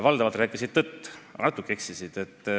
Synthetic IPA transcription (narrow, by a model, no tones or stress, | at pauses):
vɑld̪ɑvɑlt̪ɾæːkːˑisid̪̥̚t̪ɤt̪ːnɑt̪ːˑukːˑeeksisid̪̥e̞t̪ː